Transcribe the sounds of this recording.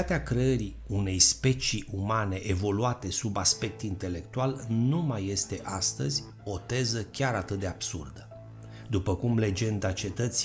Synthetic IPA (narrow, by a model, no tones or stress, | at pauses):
at̪eakɾe̞əɾi | une̞jspe̞t͡ʃiumane̞ʔevo̞luat̪e̞subaspe̞k̚t̪int̪e̞le̞k̚t̪ualnumaje̞st̪e̞ʔast̪əzʲ | o̞t̪e̞zəkʲaɾat̪ɨt̪̚d̪e̞ab̥sṵrd̪ə | d̪upəkumle̞d͡ʒe̞nd̪at͡ʃe̞t̪ət̪si